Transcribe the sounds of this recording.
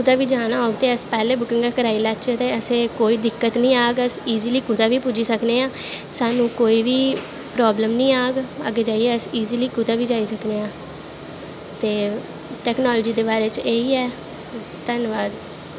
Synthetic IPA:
kʊt̪aːʋiːd͡ʒaːnaːɦoːɡt̪eːəspɛːleːbʊkɪ̃ŋɡaːkəɾaːiːlat͡ʃet̪eːəsẽːkoːiːd̪ɪkːət̪nəĩːaːɡəsiːziːliːkʊt̪aːʋiːpʊd͡ʒiːsəkneːãːsaːnũːkoːiːʋiː | pɾɔːbləmnĩːaːɡə̰ɡeːd͡ʒaːieəsiːziːliːkʊt̪aːʋiːd͡ʒaːiːsəkneːãː | t̪eː | ʈɛːknɔːlːd͡ʒiːd̪eːbaːɾeːt͡ʃeiːɛː | t̪ənʋaːd̪

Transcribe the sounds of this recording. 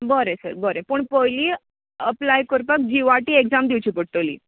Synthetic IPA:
bəɾesə̰ɾbəɾepəɳpojliː | əplajkəɾpək̚d͡ʑiʋaʈiːekd͡zamd̪iwt͡ɕʰiːpəʈ̚t̪olḭː

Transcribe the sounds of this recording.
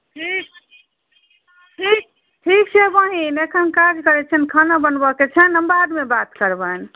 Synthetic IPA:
ʈʰik̚ | ʈʰik̚ | ʈʰik̚t͡ʃʰɛbə̃ɦinekʰənkad͡ʒkəɾɛt͡ʃʰənkʰanabənbəket͡ʃʰɛnəmbad̪mebat̪kəɾbən

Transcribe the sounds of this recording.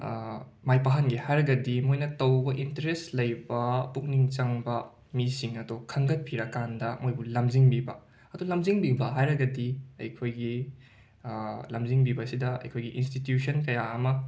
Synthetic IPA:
majpaɦɐnɡihajɾɐɡɐdimojnɐtɐwbɐʔintɐɾestlɐjbɐpuk̚niŋt͡ʃɐŋbɐ | misiŋɐdokʰɐŋɡɐt̚pʰiɾɐkːandɐmojbulɐmziŋbibɐ | ɐdulɐmziŋbibɐɦajɾɐɡɐdiɐ̰jkʰojɡi | lɐmziŋbibɐsidɐɐ̰jkʰojɡiʔinstitjusʰɐnkɐjaɐmɐ

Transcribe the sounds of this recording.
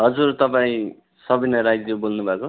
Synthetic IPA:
ɦʌd͡zurt̪ʌpaĩ | sʌbinʌɾajd͡zjobolnubʱaeko

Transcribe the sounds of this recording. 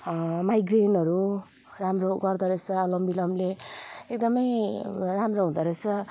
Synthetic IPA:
majɡrenʌɾu | ramroɡʌrd̪ʌɾet͡sʰʌːlʌmbilʌmleekd̪ʌmʌjramroɦũd̪ʌɾet͡sʰʌ

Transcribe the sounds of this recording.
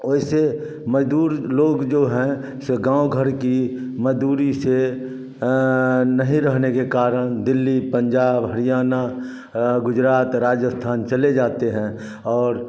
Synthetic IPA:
oɪse | məd͡ʒd̪uːɾloːɡd͡ʒoɦɛ̃ | sɡãːoɡʱəɾki | məd͡ʒd̪uːɾise | nəɦĩɾəɦnekekaːɾəɽ̃d̪ɪlːipə̃ɲd͡ʒaːbɦəɾijaːna | ɡʊd͡ʒɾaːt̪ɾaːd͡ʒəst̪ʰaːnt͡ʃɐled͡ʒaːt̪eɦɛ̃ | ɔːɾ

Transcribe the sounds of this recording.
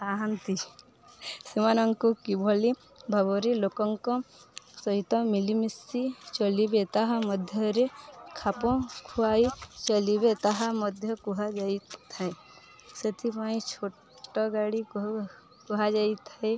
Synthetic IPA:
aɦant̪i | simanɔŋkukibʱɔli | bʱabɔɾilokɔŋkɔ̃sɔɦit̪ɔ̃milimisit͡ʃɔlibet̪aɦamɔd̪ʱjɔɾekʰapɔ̃kʰuait͡ʃəlibet̪aɦamɔd̪ʱjɔkuɦad͡ʒait̪ʰae | sət̪ʰipaĩt͡ʃʰo | ʈɔɡaɽik | kuɦad͡ʒait̪ʰae

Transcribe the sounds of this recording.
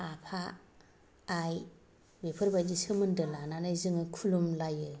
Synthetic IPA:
apʰaː | j | bepʰɯɾbajd͡ʒisɯmɯndɯlananajzɯŋɯkʰulumlajɯ

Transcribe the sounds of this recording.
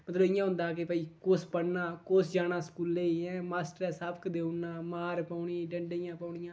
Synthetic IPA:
mət̪ləbɪjãːɦʊ̃nd̪aːkepːiːkoːspəɽnaːkoːsd͡ʒaːnaːskuːlːeːɛ̃ːmaːsʈəɾɛːsabkd̪eːʊnːãːmaːɾpaːʊɳiːɖəɳɖeːjãːpaːɳɪjãː

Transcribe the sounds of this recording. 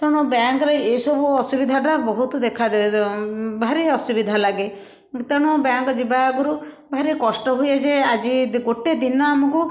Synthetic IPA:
t̪ɔɽ̃ubaŋkɔɾeesɔbuɔsubid̪ʱaʈabɔɦut̪ɔd̪ekʰad̪ebebʱaɾeɔsubid̪ʱalaɡe | t̪ɔɽ̃ubaŋkɔd͡ʒibaaɡɔɾu | bʱaɾekɔsʈɔɦujed͡ʒead͡ʒiɡoʈed̪inɔamɔku

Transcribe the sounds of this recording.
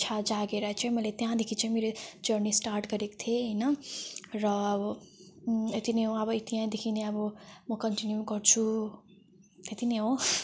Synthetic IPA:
t͡ʃʰad͡ʒaɡeɾʌɦet͡ʃʰʌmʌlet̪jãd̪ekʰit͡sʰʌmeɾed͡ʒʌɾnisʈaɾʈɡʌɾekt̪ʰeɦʌjnʌɾʌ | et̪ineɦoʌbʌit̪ijãd̪ekʰineʌbʌmʌkʌɳʈinjuɡʌɾt͡ʃʰu | t̪et̪ineɦo

